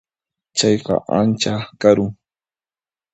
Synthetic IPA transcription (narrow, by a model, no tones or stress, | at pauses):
t͡ʃɑjqɑ̰ʔa̰nt͡ʃakaɾʊŋ